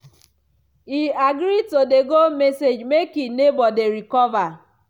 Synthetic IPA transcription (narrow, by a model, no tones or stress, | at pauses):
iaɡɾitodeɡomesed͡ʒmekinebɔdeɾikɔva